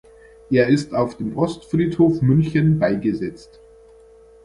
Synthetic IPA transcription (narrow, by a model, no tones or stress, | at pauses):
ʔeːɐɪstaʊfd̥eːmʔɔstfriːthoːfmʏnçənbaɪɡəzɛt͡st